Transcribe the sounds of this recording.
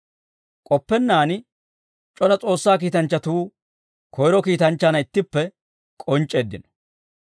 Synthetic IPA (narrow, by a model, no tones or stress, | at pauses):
kʼɔpːɛnːaːn | t͡ʃʼɔlɐt͡sʼo̞ːsːaːk̬iːt̪ɐnt͡ʃːɐt̪uː | kʰɔjɪɾɔkiːt̪ɐnt͡ʃːanɐɪt̪ːɪpːɛ | kʼɔnt͡ʃʼːeːd̪ːɪnɔ̥